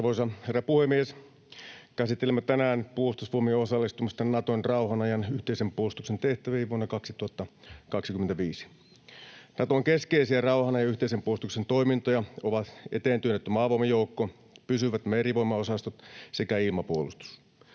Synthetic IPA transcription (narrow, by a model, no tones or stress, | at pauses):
ɑrʋoisɑherːɑpuhemːies | kæsit̪ːelemːæt̪ænæːnpuolust̪usʋuomieosɑlːist̪umɑst̪ɑnɑt̪onrɑuhɑnɑjɑnyht̪eisempuolust̪uksent̪eht̪æʋiːʋuonːɑkɑksit̪uhɑt̪ːɑkɑksikymːent̪æʋiːsi̥ | nɑt̪oŋkeskeisiærɑuhɑnɑjɑyht̪eisempuost̪uksent̪o̞imint̪ojɑoʋɑt̪et̪eːnt̪yønːet̪ːymɑːʋomɑjoukːo | pysyʋæt̪meriʋoimːɑosɑst̪ot̪sekæilmɑpuolust̪u̥s